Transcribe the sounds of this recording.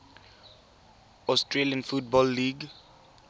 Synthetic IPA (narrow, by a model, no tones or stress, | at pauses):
ɔstɹeliãnfut̚bɔlːiɡ